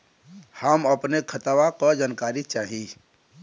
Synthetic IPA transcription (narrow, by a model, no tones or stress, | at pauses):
həmɐpnekʰət̪aʋãkod͡ʒaːnkaːɾit͡ʃaːɦi